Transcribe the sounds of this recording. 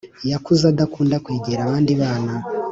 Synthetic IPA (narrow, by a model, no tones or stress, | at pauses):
jakuzadakuːndakweːɟeɾaβaːndiβaːna